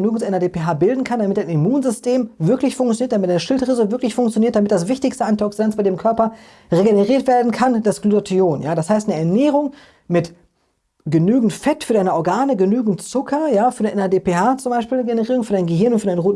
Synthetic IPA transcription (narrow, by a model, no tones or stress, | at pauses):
nyːɡŋ̩sʔɛnɐdeːpeɦaːbɪldn̩kʰandamɪtdaɪnimuːnzʏstʰeːmvɪɐklɪçfʊŋk̚tt͡sjoniːɐtd̥amɪtd̥aɪnəʃɪltʁɪzəvɪɐklɪçfʊŋkt͡sjoniːɐt̚d̥amɪt̚d̥asv̥ɪçtɪçstəantɔksidant͡sb̥aɪdeːmkʰœɐpɐ | ʁeɡenəʁiːɐtv̥eːɐdn̩kʰand̥asɡ̥luotʰioːnjaːdashaɪstnəɛɐnɛːʁʊŋ | mɪt | ɡ̥ənyːɡŋ̩tfɛtfyːɐdaɪnɐʔɔɐɡaːnəɡənyːɡŋ̩tt͡sʊkʰɐjaːfyːɐdʔɛnadeːpeːhaːt͡sʊmbaɪʃpiːlnəɡenəʁiːʁʊŋfyːɐɾaɪnɡəɦɪɐnʊntfyɐdaɪnʁoːt